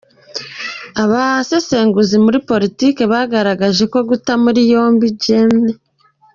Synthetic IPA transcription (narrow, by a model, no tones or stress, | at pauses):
aβase̞se̞ːŋɡuzimuɾipo̞ɾitiːke̞βaɡaɾaɡaʒe̞ko̞ɡutamuɾijo̞ːmbiɟemne